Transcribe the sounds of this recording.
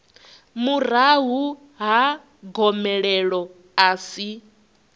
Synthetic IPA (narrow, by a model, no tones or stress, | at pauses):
muraɦu | ɦa | ɡɔmɛɺɛɺɔ | aːsi